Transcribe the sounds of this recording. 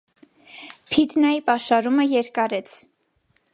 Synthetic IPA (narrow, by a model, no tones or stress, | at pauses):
pʰid̪nɑjipɑʃɑɾuməjɛɾkɑɾɛt͡sʰ